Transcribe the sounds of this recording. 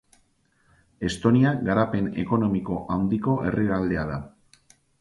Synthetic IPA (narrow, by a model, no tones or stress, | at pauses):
e̞st̪o̞niaɡaɾape̞ne̞̰ko̞no̞miko̞ʔawnd̪iko̞ʔe̞riɾald̪e̞aða